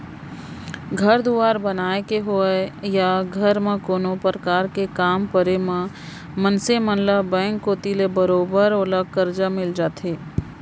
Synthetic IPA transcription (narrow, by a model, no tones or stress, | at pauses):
ɡʱɐɾd̪uaːɾbənaːekeɦʊejaɡʱəɾmẽkoːnopəɾəkaːɾkekaːmpəɾemã | mənsemə̃nləbɛ̃ːŋkːoːt̪ilebəɾoːbəɾoləɡ̚kəɾd͡ʒamɪld͡ʒaːt̪ʰeː